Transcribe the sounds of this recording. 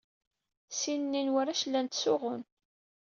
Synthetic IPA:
sinnːinwaɾæʃlːænt̪sʊʁʊn

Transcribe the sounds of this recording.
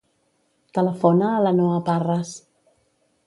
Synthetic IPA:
t̪ələfɔnaːlanɔaparəs

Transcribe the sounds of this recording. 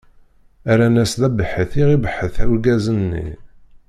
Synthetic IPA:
æɾænæsðæbəħəθiʁibəħəθæwɡæzənːḭ

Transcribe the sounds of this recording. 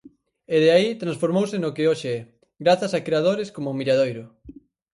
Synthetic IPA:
eðeait̪ɾãnsfoɾmowsɪnʊkɪoʃeɛ | ɡɾaθɐsakɾeað̞oɾɪskomʊmiɾaðojɾʊ

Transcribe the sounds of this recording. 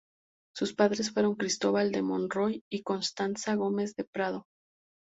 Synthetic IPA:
suspaðɾe̞sfwe̞ɾo̞ŋkɾist̪o̞βald̪e̞mo̞nro̞jiko̞nst̪ansaɣo̞me̞zðe̞pɾað̞o̞

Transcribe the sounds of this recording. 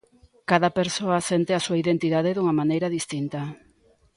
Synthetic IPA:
kaðapeɾsoasent̪easuaiðent̪iðað̞eðuŋamanejɾaðist̪int̪a

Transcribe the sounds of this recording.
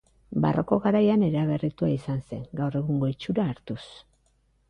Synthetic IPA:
ba̰rʔo̞ko̞ɣaɾajane̞ɾaβ̞e̞rit̪uaisanse̞ŋɡawre̞ɣuŋɡo̞it͡ʃuɾaːɾt̪us

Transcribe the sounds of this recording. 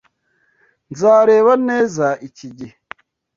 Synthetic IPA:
nzaːɾe̞ːβaneːzaʔiciɟih

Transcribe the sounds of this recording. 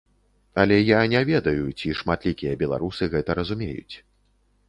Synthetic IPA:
ɐlʲɛjanʲɛvʲɛd̪ɐjut͡sʲiʂmat̪lʲikʲijɐbʲɛlˠa̰ɾusɨɣɛt̪ɐɾɐzumʲḛjṵt͡sʲ

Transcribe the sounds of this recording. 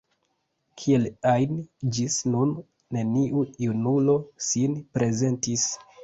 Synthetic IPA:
kʰie̞lajnd͡ʒisnunː | e̞niʔujunulo̞sinpɾe̞ze̞ntis

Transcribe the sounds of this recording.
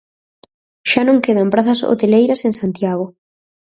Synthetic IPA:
ʃanõŋkeð̞ɐmpɾaθɐso̰t̪elejɾɐseŋsant̪jaɣ̞o

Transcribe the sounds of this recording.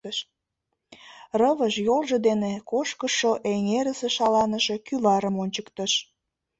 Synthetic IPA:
ʃ | rəβəʃjolʒed̪enekoʃkəʃoʔeŋeɾəseʃɑlɑnəʃekylɑɾəmonʲt͡ɕəkt̪əʃ

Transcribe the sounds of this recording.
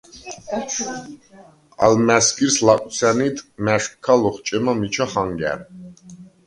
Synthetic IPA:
a̰lmæskʼiɾslak̪ʼsʰanit̪ʰmæʂkʰːalɔχt͡ʃʼɛmamit͡ʃʰaχaŋɡæ̰ɾ

